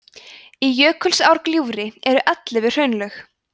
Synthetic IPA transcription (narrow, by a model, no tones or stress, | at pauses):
ijœːkʰʏlsawɾkljuːɾɪɛɾʏʔat̪lɪvɪr̥œɥnlœx